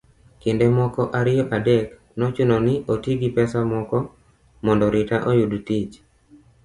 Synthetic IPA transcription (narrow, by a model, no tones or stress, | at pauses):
kɪndemɔkɔʔaɾɪjɔʔadɛk | nɔt͡ʃunɔnɪʔotiɡipɛsamɔkɔ | mɔndɔɾɪtaʔojudutɪt͡ʃ